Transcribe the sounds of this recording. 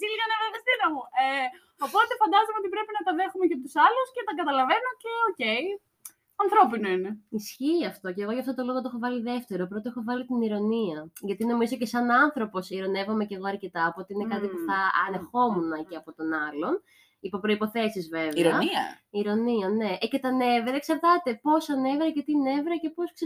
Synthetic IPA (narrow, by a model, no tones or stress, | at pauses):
siliɣɐneveðɐst̪iɾɐmue | opo̞t̪e̞fɐnd̪ɐzomeot̪ipɾe̞pinɐt̪ɐðe̞xumecɐt̪usɐluscet̪ɐɡɐt̪ɐlɐve̞no̞ceoce̞i | ɐnθɾo̞pinoine̞isçiɐft̪o̞ceːɣoʝɐft̪ot̪o̞lo̞ɣot̪oexo̞vɐliðe̞ft̪e̞ɾopɾo̞t̪oexovɐlit̪iniɾo̞niɐʝɐt̪ino̞mizo̞cesɐnɐnθɾo̞po̞siɾo̞ne̞vomece̞ɣo̞ɐɾce̞t̪ɐːpoot̪iine̞kɐt̪ipuuθɐɐ̰ne̞xo̞munɐceɐpo̞t̪o̞nɐlo̞n | ipo̞pɾo̞ipo̞θe̞sizve̞veɾoɐiɐ̰iɾo̞niɐne̞ʔce̞t̪ɐne̞veɾɐksɐɾt̪ɐt̪e̞po̞sɐne̞veɾɐcet̪ine̞vɾɐce̞po̞sk